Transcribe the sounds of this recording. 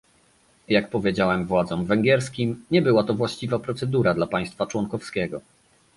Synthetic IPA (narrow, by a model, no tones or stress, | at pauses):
jakpɔvʲjed͡ʑawɛmvwad̪zɔ̃mvɛŋɡʲɛɾskʲimɲɛbɘwat̪ɔvwaɕt͡ɕivapɾɔt̪sɛd̪uɾad̪lapaj̃st̪fat͡ʂwɔŋkɔfskʲɛɡɔ